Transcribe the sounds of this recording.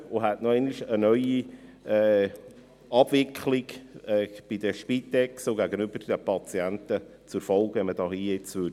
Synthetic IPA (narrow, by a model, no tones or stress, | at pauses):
ʊɦætnɔɛnɪʃənœʏi | ɛː | ɑb̥vɪkʰχlɪɡɛːb̥id̥əʃpitːɛksʊɡæɡənʏb̥əɾd̥ɛpʰɑt͡siæntə | t͡sʊɾfɔlˠkvɛnməd̥ɑːhiːɪt͡sʋø